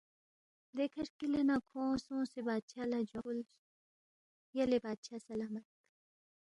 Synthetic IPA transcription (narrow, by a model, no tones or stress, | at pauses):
d̪eːkʰɐɾkilɐnakʰõːsõːsebaːd̪̚ʃaːlad͡ʒol | jɐlebaːd̪̚ʃaːsɐlaːmɐt̪̚